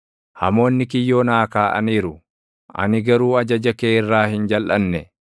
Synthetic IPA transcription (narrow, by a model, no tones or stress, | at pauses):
hɐ̰mo̞ːnːɪkɪjːo̞ːnaːkaːʔɐ̰niːɾʊ | ʔɐ̰nɪɡɐɾuːɐd͡ʒɐd͡ʒɐkeːɪrːaːhɪnd͡ʒɐlʔɐnːɛ